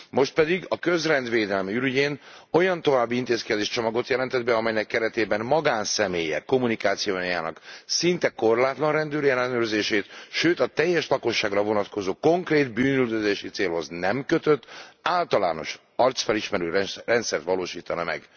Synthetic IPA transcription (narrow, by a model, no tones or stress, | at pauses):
mo̞ʃt̪̚pɛd̪iɡɒkøzrɛnd̪ʋeːd̪ɛlmiyɾyɟeːno̞jɒnt̪o̞vaːbːiint̪eːskɛd̪eːʃt͡ʃo̞mɒɡo̞t̪jɛlɛnt̪ɛd̪bɛɒmɛjnɛkːɛɾɛt̪eːbɛnmɒɡaːnsɛmeːjɛ̰kːo̞munikaːt̪sijoːjja̰ːnɒ̰ksint̪ɛko̞rlaːt̪lɒnrɛnd̪øːɾjɛlːɛnøːrzeːʃeːt̪ʃøːt̪ɒt̪ɛjːɛʃlɒko̞ʃːaːɡrɒvo̞nɒt̪ko̞zoːko̞ŋkreːd̪byːnyld̪øzeːʃit̪seːlɦo̞znɛmkøt̪ø̞t̪ːaːlt̪ɒla̰ːno̞̰ʃ | ɒrt̪sfɛliʃmɛɾøːrɛnt̪sɛrt̪ʋɒloːʃiːt̪ɒnɒmɛ̰ɡ